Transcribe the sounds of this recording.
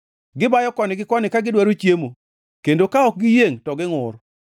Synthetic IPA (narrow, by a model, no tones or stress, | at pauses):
ɡɪbajɔkɔnɪɡɪkɔnɪkaɡɪdwaɾot͡ʃjemo | kendokaɔk̚ɡɪjeŋtɔɡɪŋʊr